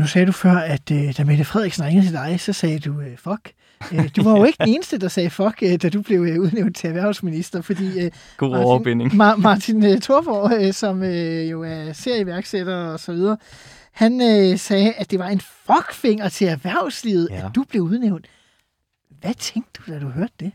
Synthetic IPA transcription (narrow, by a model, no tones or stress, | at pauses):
nusɛːɾ̥ufɶɐ̰æd̥ød̥æmed̥əfʁɛð̞̰ˠiɡ̥sən̩ʁeŋəð̩ˠt͡sʰed̥ɑ̈ɪsɒ̽sɛːd̥uøfɒ̽ɡ̥ | ød̥uʋɑ̈joe̝ɡ̥d̥ne̝ːnəsd̥əd̥ɑ̈sɛːfɒ̽ɡ̥d̥æd̥ub̥le̝ʊuð̞ˠneʊnd̥t͡sʰe̝æʋæɐʊlsminisd̥ɐfɒ̽d̥ḭː | ɡ̥o̰beneŋmɑ̈ːt͡sʰinøt͡sʰo̝ɐb̥ɒ̰sɒ̽møjo̝æɐse̝ɐ̰iʋæɐɡ̥sed̥ɐɒ̽sɒ̽ʋið̞ˠɐː | hænøsɛːædd̥e̝ʋɑ̈e̝nfɒ̽ɡ̥fe̝ŋ̰ɐt͡sʰe̝læʋæɐ̰ʊslið̩ˠæd̥ub̥le̝ʊuð̞ˠneʊnd̥ | ʋæt͡sʰeŋɡ̥̚d̥ːud̥æd̥uɦøɐd̥ːe̝